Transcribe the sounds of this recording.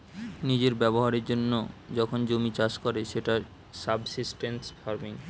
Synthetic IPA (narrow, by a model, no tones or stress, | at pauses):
nid͡ʑeɾbɛboɦaɾeɾd͡ʑonːo̰d͡ʑɔkʰond͡ʑomit͡ɕaskɔɾeʃeʈa | sabsisʈensfaɾmiŋ